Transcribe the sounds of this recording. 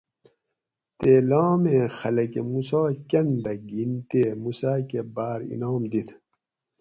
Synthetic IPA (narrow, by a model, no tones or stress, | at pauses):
t̪eːloːmẽːxɐlɐkemusoːkɐnd̪ɐɡint̪emusaːkebaːɾḭnoːmd̪it̪ʰ